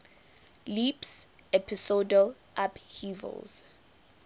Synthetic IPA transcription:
lips | ɛpʰisodəl | ʔaphiːvɛ̰lz̥

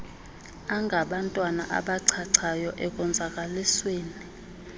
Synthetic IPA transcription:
aŋɡʱaɓantʼwana̰ʔa̰ɓaǀʰaǀʰajɔʔɛkʼɔnd͡zʱakʼalisweːni

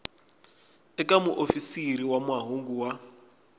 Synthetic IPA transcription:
ɛkamuʔofisiɾiwamwaɦoŋɡuwa

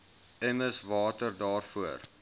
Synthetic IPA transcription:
ɛməsvɑːtərdɑːrfuər

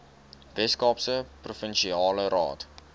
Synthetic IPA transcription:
vɛskɑːpsəprofənʃiɑːlərɑ̰ːt

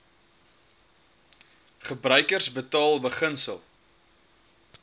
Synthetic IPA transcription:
χəbrœɥkərsbətɑːlˠbəχənsə̰lˠ

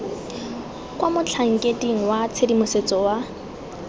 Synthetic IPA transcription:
kwamʊt͡ɬʰaŋ̩kʼetiŋ̩wat͡sʰedimʊset͡sʼɔwa

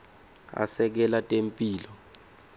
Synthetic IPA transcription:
a̰sɛk̬ɛlatʼempʼiːlɔ

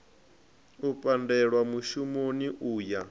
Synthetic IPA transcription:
upʼandɛɺwamuʃumoniʔuːja

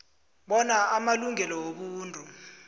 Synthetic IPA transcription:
ɓɔnaʔamaluŋɛlɔwoɓuːntʼu

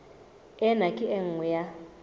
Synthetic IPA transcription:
ɛnakʼiʔɛŋ̩ŋuja

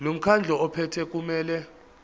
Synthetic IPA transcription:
lom̩kʰand͡ɮʱɔɔpʰɛtʰɛk̬ʼumɛːlɛ

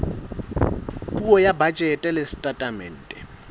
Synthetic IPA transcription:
kʼuɔjabat͡ʃʼɛtʼɛlesi̥tʼatʼamɛ̰n̩ːtʼɛ

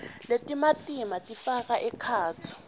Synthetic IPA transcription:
letʼimatʼimatʼifakaʔɛkʰaːt͡sʰɔ̥

